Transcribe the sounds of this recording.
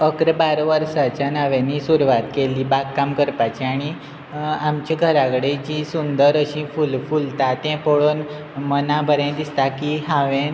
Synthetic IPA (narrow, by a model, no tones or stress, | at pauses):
əkɾəbaɾʋəɾsat͡ɕjanəʋẽnisuɾuʋat̪keliːbakkːamkəɾpat͡ɕiaɽ̃i | amt͡ɕiɡʱəɾakɽed͡ʑisund̪əɾəɕĩfulfult̪at̪ɛ̃poɭon | mənãbʱəɾẽd̪ist̪akiɦãʋẽ